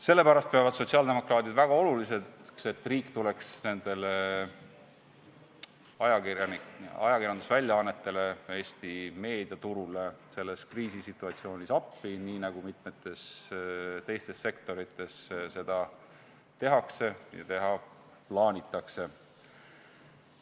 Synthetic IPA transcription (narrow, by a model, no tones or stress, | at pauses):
se̞lːe̞pæɾɑst̪̚peɑvɑd̪̥so̞t̪ʲsiɑld̪e̞mo̞krɑːt̪id̪væɡ̥ɑo̞lulisekse̞t̪ːˑriːkːˑt̪ule̞ksne̞nd̪̥e̞le | ɑjɑnɑ̰jɑkirjɑnd̪usvælʲjɑɑnːe̞t̪ːˑe̞le̞e̞ːst̪ime̞ːd̪̥iɑt̪uɾule̞se̞lːe̞skriːsisit̪ːˑuɑt̪sio̞ːnʲisɑpːiniːnɑɡ̥umit̪me̞t̪ːˑe̞s | t̪e̞jst̪e̞sːe̞kt̪o̞ɾit̪ːˑe̞sse̞d̪̥ɑ | t̪e̞ɦɑkse̞jɑ̰t̪e̞ɦɑ | plɑːnʲit̪ːˑɑkse̞